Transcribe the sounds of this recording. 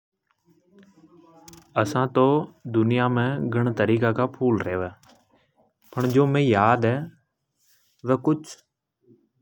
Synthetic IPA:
əsãːt̪oːd̪ʊnɪjaːmẽːɡʱəɳt̪əɾiːkaːkaːpʰuːlɾeːʋɛː | pəɳd͡ʒoːmẽːjaːd̪ɦɛː | ʋɛːkʊt͡ʃʰ

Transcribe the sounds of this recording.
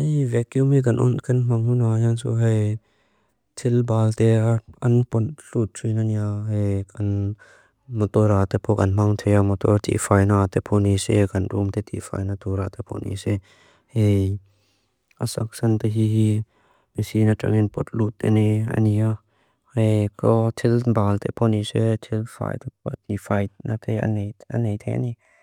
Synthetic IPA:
ejvɛkjumik̬ɐnʔɔ̰nkɐnm̥ɐŋhunajansṵɦɐj | t̪ʰɪlbaːlt̪eɐnpɔnɬut̪̚sunaniaɦejkɐn | mɔt̪ɔɾat̪epʰɔkɐ̰nm̥ɐŋt̪ʰejamɔt̪ɔɾt̪ʰḭfʰajnat̪ɛpʰonisekɐnɾumt̪ɛt̪ʰḭfa̰jnat̪ʰuɾat̪epʰo̰nḭse | hej | ʔasak̚sɐnt̪aɦiɦi | misinata̰ŋɪnpɔt̪̚lut̪ːɛniɐ̰nia | hekɔt̪ʰilbalt̪ʰepʰɔniset̪ʰilfa̰jt̪ept̪ifajnat̪ʰeja̰nea̰nejt̪ʰejʔa̰ni

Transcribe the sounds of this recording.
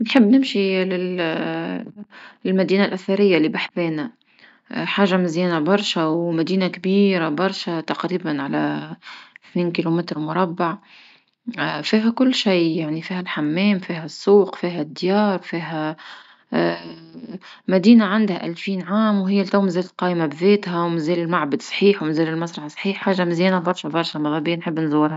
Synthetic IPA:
nħɪbːnɪmʃilɪl | lmæd̪iːnalʔæθɑɾɪjːalːibaħfɛːnæ | ħaːʒːamɪzjɛːnabɑɾˤʃawmæd̪iːnakbiːɾabɑɾˤʃat̪aqɾiːbanʕalæ | θniːnkiːlumɪt̪ɾmʊɾˤɑbːaʕ | fiːɦækʊlːʃijjaʕnifiːɦælħamːɛːmfiːɦæsˤːuːqfiːɦæd̪ːjɑːɾˤfiːɦæ | mæd̪iːnaʕand̪hæʔælfiːnʕaːmwɦɪjːælt̪awmnzɛːllqɑːʔmabðɛːt̪hæwmɪnzɛːlɪlmaʕbad̪sˤħiːħwmɪnzɛːlɪlmɑsˤɾˤɑħsˤħiːħːaːʒːamɪzjɛːnabɑɾˤʃæbɑɾˤʃæmɑðˤɑbijːnħəbːnzʊwːɪɾhæ

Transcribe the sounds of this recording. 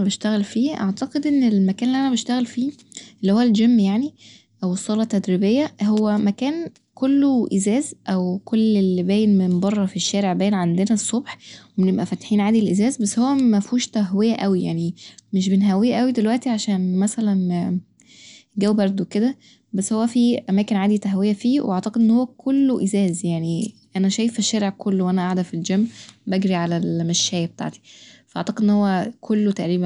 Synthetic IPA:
beʃt̪æɣælfiːʔaʕt̪ɑqed̪ʔenːelmækæːnelːiʔænæbeʃt̪æɣælfiː | ʔelːihowːæld͡ʒemːjaʕni | ʔæwesˤːɑːlɑt̪ːæd̪ɾibejːæɦowːæmækæːn | kʰolːoʔizæːzʔæwkolːelːibæːjenmenbɑrˤːɑfiʃːæːɾeʕbæːjenʕand̪enæsˤːobħwemenebʔæfæt̪ħiːnʕaːd̪ilʔezæːzbæsːhowːæmæfuːʃt̪æɦwejæʔæwija̰ʕnimeʃ̬benɦæwːejæʔæwid̪elwæʔt̪iʕaʃæːnmæsælæn | ɡæwbɑɾˤd̪ˤoweked̪æ | bæsːhowːæfiʔæmæːkenʕaːd̪it̪æɦwejæfiːweʔɑʕt̪ɑqed̪ʔenːhowːækʰolːoʔezæːzjaʕniʔænæʃæːjefeʃːæːɾeʕkʰolːowʔænæʔaʕd̪æfild͡ʒæmːbæɡɾiʕalælmæʃːæːjb̚et̪a̰ʕt̪i̥fæʔɑ̰ʕt̪ɑqed̪ʔenːhowːækʰolːot̪æʔɾiːbæn

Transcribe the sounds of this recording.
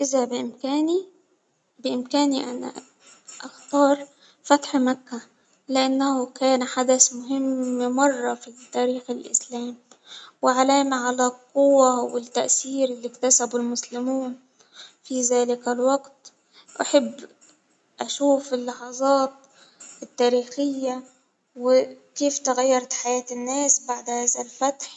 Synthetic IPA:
ʔɪzabɪʔɪmkaːni | bɪʔɪmkæːniʔana̰ | ʔaxt̪ɑːɾˤ | fæt̪ħmakːæ | lɪʔanːahʊkæːnħad̪asmʊɦɪmːmɑrˤːɑfit̪ːæːɾiːxɪlʔɪ̰slæːm | wɪʕalaːmaʕalaqʊwːawɪt̪ːaʔsiːɾɪlːikt̪asabʊlmʊslɪmuːn | fizaːlɪkalwɑɡt̪ | ʔaħabː | ʔaʃuːfɪlːɑħɑzˤɑːt̪̚ | ɪt̪ːaːɾiːxɪjːa | wɪkeːft̪ɪɣajːɑɾˤt̪ħajaːt̪ɪnːaːsbaʕd̪haːðalfat̪ħ

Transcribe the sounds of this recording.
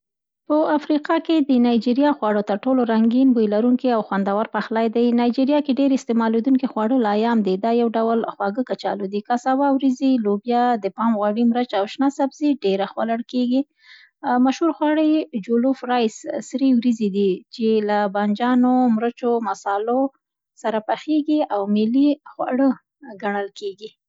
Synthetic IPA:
pəafɾiqɑked̪ənɑjd͡ʒiɾijɑxwɑɽot̪əɾʈoloɾaŋɡinbojlaɾuŋkiawxwand̪awaɾpaxlajd̪ajnɑjd͡ʒiɾijɑkeɖeɾɪst̪emɑled̪uŋkixwɑɽəlɑjɑmd̪id̪ɑjawɖawlxwɑɡəkat͡ʃɑ̰lod̪ikasawɑwɾizilobjɑd̪əpɑmɣwɑɽimɾət͡ʃawʃnasabziɖeɾaxwalaɽkeɡi | maʃhuɾxwɑɽəjd͡ʒolofɾɑjssɾiwɾizid̪it͡ʃelaband͡ʒɑnomɾət͡ʃomasɑlo | saɾapaxeɡiawmɪlixwa̰ɽə | ɡaɳəlkeɡi

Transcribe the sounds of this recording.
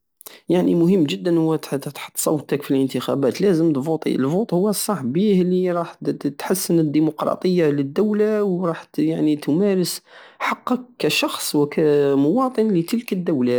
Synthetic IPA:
jaʕnimʊɦəmːʒəd̪ːənhʊwːæt̪ħɑ̥t̪ˤːsˤɑwːt̪akfilʔənt̪əxæ̰bæt̪læzəmt̪fut̪ˤḭəlfut̪ˤhʊwːæsˤːɑħbihliɾˤɑħt̪ħasːənəd̪ːimʊqɾˤɑ̰t̪ˤəjːaləd̪ːawlawɾˤɑħjaʕnit̪mæɾəsħɑqːəkːæʃɑxsˤwəkʰæmʊwɑt̪ˤənlət̪əlkəd̪ːawla

